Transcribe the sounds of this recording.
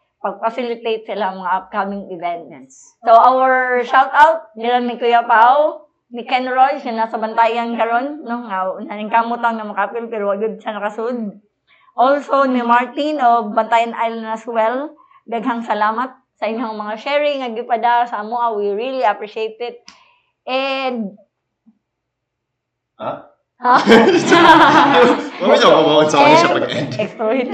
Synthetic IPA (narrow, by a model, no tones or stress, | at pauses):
pɐɡ̚fɐsɪlɪt̪ejt̪̚sɪlaɐŋmɐŋaɐp̚kamɪŋɪvɛnt̪̚jan | sowʔawɛɹʃawt̪awt̪̚nɪɾanmɪkʊjapaw | nɪkɛnɹojɐnasɐbɐnt̪aːjɐnkɐɾo̞nːoŋanaɪŋkamʊt̪aŋnɐmɐkapɪlpɛːɾoʔɐjod̪̚ʃɐnɐkɐsod̪̚ | ʔolsonimaɹt̪inobɐnt̪aːjɐnʔajlnɐswɛl | ɡ̪ɐɡhɐŋsɐlaːmɐt̪̚ | sɐʔɪɲːoɐŋmɐŋaʃɛɹɪŋɐɡɪpɐd̪asɐɐmoʔawiɹiliɐpɹiʃejt̪ɛd̪̚ | ʔɛnd̪̚ | a | ha | awiɲamabawɐsɐaʃɐpɐɡʔɛnɛkst̪ɾoɪd̪